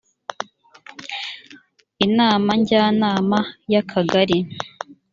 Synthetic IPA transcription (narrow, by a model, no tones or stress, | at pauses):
inaːmaɲɟaːnaːmajakʰaɡaɾi